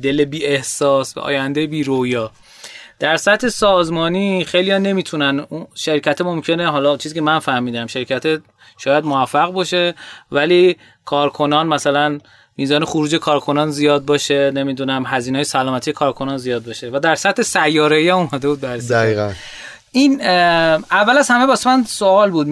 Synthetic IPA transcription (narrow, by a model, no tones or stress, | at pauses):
d̪elebiːe̞hsɒːsbæ̰ʔɒ̰ːjænd̪ejebiːɾojɒː | d̪̥æɾsæt̪he̞sɒːzmɒːniːχejlijɒne̞miːt̪ʰunænuʃæɾicʰæt̪ʰemomcʰe̞neɦɒːlɒːt͡ʃʰiziːcʲʰemænfæhmiːd̪æmʃeɾicʰæt̪ʰe | ʃɒːjæd̪moæfːæɣbɒʃe̞væliː | kʰɒːɾkʰo̞nɒːnmæsælæn | miːzɒːne̞xoɾuːd͡ʒe̞kʰɒːɾkʰo̞nɒːnzijɒːd̪̚bɒːʃene̞miːd̪unæmɦæzineːjesælɒːmæt̪ʰijekʰɒːɾkʰo̞nɒːnzijɒːd̪̚bɒʃe̞væd̪æɾsæt̪ʰhe̞sæjːɒːɾeiæmumæd̪e̞buːd̪bæɾsæiɣæ | iːn | ævːælæzhæme̞bɒːsemænsoɒːlbuːd̪